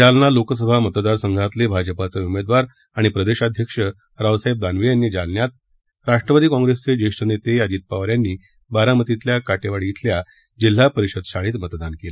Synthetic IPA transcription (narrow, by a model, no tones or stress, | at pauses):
d͡ʑalnalokəs̬əbʱamət̪d̪aɾsəŋɡʱat̪lebʱad͡ʑəpat͡seumed̪ʋaɾ | aɽ̃ipɾəd̪eɕad̪ʱjəkʂə | ɾaʋsaeb̚d̪anʋejanːiːd͡zalnjat̪̚ | ɾaʂʈɾəpəd̪iːkɔ̃ŋɡɾest͡sed͡ʑeʂʈənet̪ead͡ʑiːt̪̚paʋɾjanːiː | baɾamət̪it̪ljakaʈeʋaɽit̪ʰlja | d͡ʑil̤ːapəɾiɕəd̪ɕaɭiːt̪mət̪d̪ankela